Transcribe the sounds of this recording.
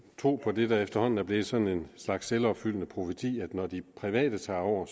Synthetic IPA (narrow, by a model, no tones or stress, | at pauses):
t͡sʰʁo̝̰ːpʰɒ̽d̥e̝d̥ɑ̈efd̥ɐhɒ̽n̰n̩æɐb̥le̝ð̩ˠsɒ̽ne̝nslɑ̈ɡ̥sːelɒ̽b̥fyl̰ənəpʰʁo̝fət͡sʰḭːæd̥nɒd̥ipʰʁiʋɛ̰ːd̥ət͡sʰɑ̈ːɒʊ̰ɐ